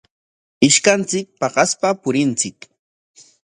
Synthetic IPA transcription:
ɪʃkant͡sɪk̚pɑɢɑspapʊɾɪnt͡sɪk

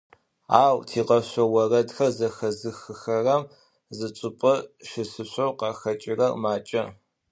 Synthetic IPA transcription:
aːwtʰiːqɐɕʷɔwɐrɐdxɐrzɐxɐzɨxɨxɐrɐm | zɨt͡sʼɨpʼɐʃɪsɨɕʷowqɑxɐt͡ʃʼɪrɐrmaːt͡ʃʼɐ

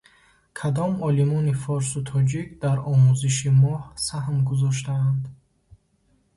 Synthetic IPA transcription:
kʰad̪ɔmɔlimɔnifɔɾsut̪ʰɔd͡ʒikd̪aɾɔmuziʃ̬imɔhsaɦmɡuzɔʃ̬t̪aːnd̪

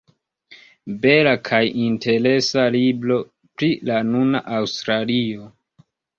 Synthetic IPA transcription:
be̞lakʰajinte̞ɾe̞saliblo̞ | pɾilanunaʔawstɾalio̞

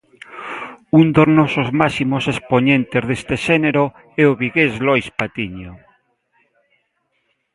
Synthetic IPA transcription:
und̪oznosozmasimosespoɲẽnt̪ezðest̪eʃeneɾo | eoβiɣezlojspat̪iɲo

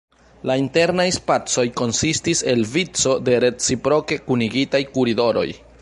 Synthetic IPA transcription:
lainte̞ɾnajspat͡so̞jko̞nsistise̞lvit͡so̞de̞ɾe̞t͡sipɾo̞ke̞kuniɡitajkuɾido̞ɾo̞̰j

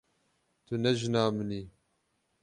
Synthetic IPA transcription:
t̪ʰʊnɛʒɨnaːmɨniː

